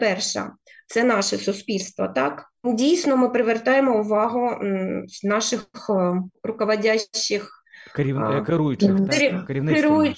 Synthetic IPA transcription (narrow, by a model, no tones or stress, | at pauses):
pɛrʃɐ̰t̪sɛnɑʃɛsʊspʲilʲst̪ʋɐt̪ɑk | dʲijsnɔmɪpɾɪʋert̪ɑjemɔʊʋɑɦʊz̥nɑʃɪxxrʊkɔʋɐdʲaːɪx | kɾʲikɪɾujʊt͡ʃɪikɾʲiʋnkɪɾujʊ